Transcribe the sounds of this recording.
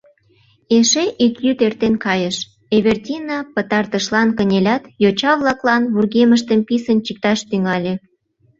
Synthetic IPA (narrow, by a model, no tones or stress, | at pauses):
eʃeʔikjyt̪ert̪enkɑjəʃ | eβʲert̪ʲinɑpət̪ɑrt̪əʃlɑnkənʲelʲɑt̪jot͡ɕɑβlɑklɑnβurɣeməʃ̬t̪əmpisənt͡ɕik̚t̪ɑʃt̪yŋɑlʲe